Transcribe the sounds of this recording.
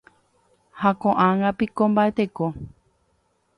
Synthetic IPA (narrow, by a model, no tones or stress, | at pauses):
hakõʔãŋɡãpikõmbae̞t̪eko